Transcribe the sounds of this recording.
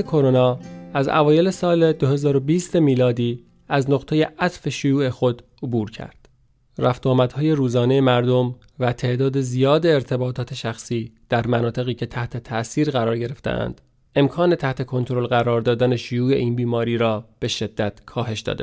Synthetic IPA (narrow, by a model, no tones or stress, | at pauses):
ekʰo̞ɾonɒːæzæ̰vɒːje̞le̞sɒːled̪ohe̞zɒːɾo̞biːst̪emiːlɒːd̪iː | æznoqt̪ʰeje̞ʔæt̪fe̞ʃojuːe̞xo̞d̪ | obuːɾcʰæ̰ɾd̪̥ | ræft̪ɒːmæd̪hɒːje̞ɾuːzɒːne̞jemæɾd̪o̞m | væt̪ʰe̞ʔd̪ɒːd̪e̞zijɒːd̪eːɾt̪ʰe̞bɒːt̪ʰɒːt̪ʰe̞ʃæxsiːd̪̥æɾmænɒːt̪ʰe̞ɣiːcʰe̞t̪ʰæht̪ʰe̞t̪ʰæsiːɾɣæɾɒːɾɟe̞ɾe̞ft̪ḛʔæ̰nd̪̥ | e̞mkʰɒːne̞t̪ʰæht̪ʰe̞kʰo̞nt̪ʰoɾo̞lɢæɾɒːɾd̪ɒːd̪æne̞ʃojuːe̞̰ʔiːnbiːmɒːɾiːɾɒːb̥e̞ʃe̞d̪ːæt̪kʰɒːɦe̞ʃd̪ɒ̰ːd̪e